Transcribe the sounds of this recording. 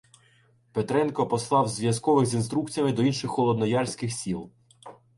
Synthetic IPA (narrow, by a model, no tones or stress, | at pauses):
pet̪ɾɛnkɔpɔslˠɑwzʋjɐskɔʋɪxzʲinst̪ɾukt͡sʲijɐmɪd̪ɔinʃɪxːɔlˠɔd̪nɔjɑrsʲkɪxsʲilˠ